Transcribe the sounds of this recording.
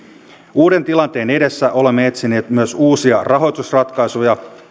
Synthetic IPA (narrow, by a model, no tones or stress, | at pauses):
uːde̞nt̪ilɑnt̪e̞ːne̞de̞sːæʔo̞le̞mːee̞t̪sine̞ːt̪myøsuːsiɑrɑɦo̞jt̪usrɑt̪kɑjsujɑ